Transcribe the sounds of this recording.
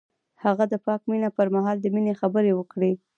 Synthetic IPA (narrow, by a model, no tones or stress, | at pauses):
haɣad̪əpɑkminapəɾmaɦɑld̪əminexabəɾewəkɽe